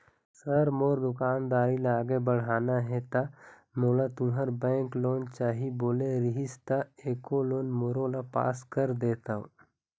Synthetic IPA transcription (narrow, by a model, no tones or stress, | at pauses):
səɾmoːɾd̪ʊkaːnd̪aːɾilaaːɡebəɽ̤aːnaɦɛt̪a | moːlat̪ʊɦəɾbɛ̃ːŋkloːnt͡ʃaːɦiboːleɾɪɦɪst̪aeːkoloːnmoɾõlapa̰ːskəɾd̪eːt̪aõ̰